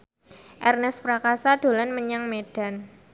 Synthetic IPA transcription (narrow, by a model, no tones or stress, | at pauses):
ʔɛrnɛspɾakasad̥o̤lanməɲaŋmed̥a̤n